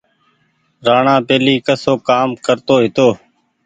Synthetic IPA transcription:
ɾaːɳãːpeːliːkəsoːkaːmkəɾt̪oːɦɪt̪oː

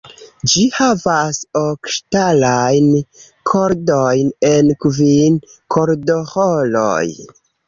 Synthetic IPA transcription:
d͡ʒihavasokʃtalajn | kʰoɾdojne̞nkvinkʰoɾdoholo̰j

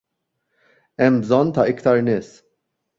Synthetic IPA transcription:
ɛmːbzɔnːt̪ɐɪkt̪ɐɾnɪːs

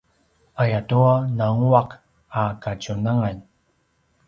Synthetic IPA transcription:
ajatuanaŋuak | akacunaŋaɲ

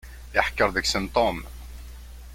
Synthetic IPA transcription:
jəħkːəɾˤðəksənt̪ˤom

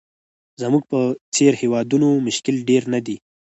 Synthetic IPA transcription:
zəmuɡ̚pət͡seɾhewɑd̪unomʊʃkɪlɖeɾnad̪i

